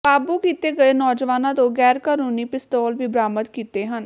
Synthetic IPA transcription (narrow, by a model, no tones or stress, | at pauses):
kaːbukiːt̪eːɡəeːnɔːd͡ʒʋaːnãːt̪õːɡɛːɾkəɾuːniːpɪst̪ɔːlʋiːbɾaːmət̪kiːt̪eːɦən